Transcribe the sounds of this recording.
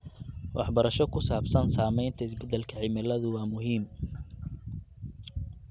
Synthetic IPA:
wʔɑ̰ħbɐɾɐʃɔkʰʊsaːbsɐnsaːmɛjnt̪ʰɐɪsbɛd̪ɛlkʰɐʕɪmɛlɐðʊwɑːmʊɦiːm

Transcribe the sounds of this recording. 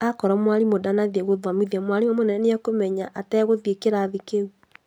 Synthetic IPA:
akɔɾɔmwaɾimodanaðɛɣoðamiðiamwaɾiwɔmonɛnɛneakomɛɲaʔatɛɣoðjekeɾaːðikeu

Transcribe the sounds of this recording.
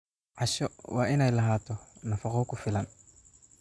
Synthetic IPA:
ʕaʃɔwaːɪnɛjlɐɦaːt̪ʰɔnɐfɐqɔkʊfɪlɐn

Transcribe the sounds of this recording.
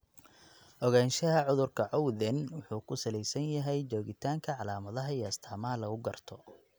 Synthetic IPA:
ʔɔɣaːnʃɐɦɐʕʊðʊrkʰɐʕɔwðɛnwʊħuːkʰʊsɐlɛjsɐnjɐɦɛjt͡ʃɔːɣɪt̪ʰaːŋkʰɐʕɑlaːmɐðɐɦɐiːɐst̪ʰaːmɐɦɐlɐɣʊɡɐrt̪ʰɔ

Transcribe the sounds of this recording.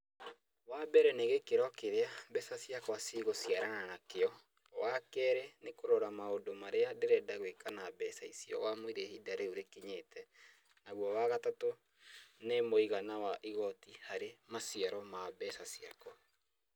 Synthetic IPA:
wabɛɾɛneɣekeɾɔkeɾeabɛsasjakwasiɣosiaɾananakeɔ | wakɛɾɛnekoɾɔɾamaodomaɾeadeɾɛdaɣwekanabɛsaisiɔ̰ɣwamoiɾehidaɾeoɾekiɲetʰɛ | naɣwɔwaɣatato | nemoiɣanawaʔiɣɔtihaɾemasiaɾɔmabɛsasia̰kɔ

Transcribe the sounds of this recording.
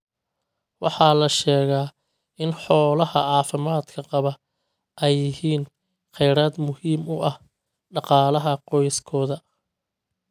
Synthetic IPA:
wɑħɑːlɐʃɛːɣaː | ɪnħɔːlɐhɐ̰ɑːfɪmaːd̪kʰɐqɑβɐ | ʔɛjːɪhiːn | qɛjɾaːd̪mʊhiːmʊʔɐh | ɖɑqɑːlɐɦɐqɔjskʰɔːðɐ

